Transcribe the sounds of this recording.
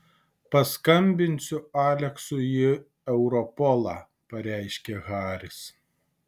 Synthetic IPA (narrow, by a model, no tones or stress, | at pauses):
pɐskɐmʲbʲɪnʲsʲʊɑːlʲɛksʊjɪ | ɛʊɾɔpɔlˠɑː | pɐɾʲæɪʃʲkʲeɣɑːɾʲɪs